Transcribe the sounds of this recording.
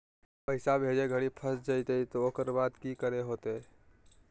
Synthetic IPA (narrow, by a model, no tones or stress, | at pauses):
pəɪsabʱeːd͡ʒeɡʱəɽipʰəsd͡ʒaɪt̪eit̪ooːkəɾbaːd̪kikəɾeɦoːt̪e